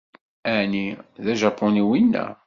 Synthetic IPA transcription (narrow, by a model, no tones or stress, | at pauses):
æʕniðæʒæpːoniwinːæ̰